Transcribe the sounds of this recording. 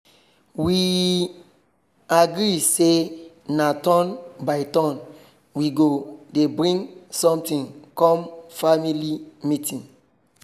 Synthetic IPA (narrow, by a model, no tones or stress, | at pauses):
wi | aɡɾise | natɔnbaɪtɔ̃n | wiɡodebɹĩŋsɔ̃mtĩnkɔ̃mfamilimitĩn